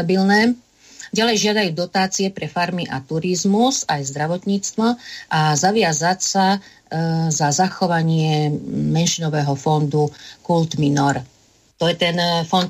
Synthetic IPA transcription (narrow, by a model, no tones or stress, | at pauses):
abilnɛː | ɟalɛjʒɪad̪ajuːd̪ɔt̪aːt͡siɛpɾɛfaɾmiʔat̪uɾizmuzajzd̪ɾaʋɔt̪ɲiːt͡st̪ʋɔʔazaʋɪazacsa | zazaxɔʋaɲɪɛmɛnʃinɔʋɛːɦɔfɔnd̪ukult̪minɔɾ | t̪ɔjɛt̪ɛnfɔnt̪